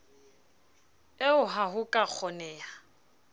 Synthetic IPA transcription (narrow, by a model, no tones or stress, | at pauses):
eʊɦaɦʊkʼak͡xʰɔnɛːa